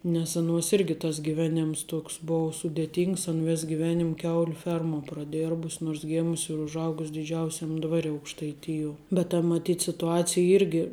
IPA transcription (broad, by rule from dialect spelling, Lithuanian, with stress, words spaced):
nʲɛs ɐˈnuɔs ˈɪrʲɡʲɪ tɐs ɡʲɪˈʋʲæːnʲeːms ˈtoːks ˈboːʊ sʊdʲeːˈtʲiːŋks ɐn ˈʋʲeːs ɡʲɪˈʋʲæːnʲɪm ˈkʲɛʊlʲʊ ˈfʲɛrmuɔ prɐˈdʲeːrbʊsʲ noːrs ˈɡʲeːmʊsʲ ɪr ʊʒˈɐʊɡʊsʲ dʲɪˈd͡ʒʲɛʊsʲɛm ˈdʋɑːrʲɪ ɐʊkʃtɐɪˈtʲɪjuɔ bʲɛt tɐ mɐˈtʲiːt sʲɪtʊˈɑːt͡sʲɪjɛ ˈɪrʲɡʲɪ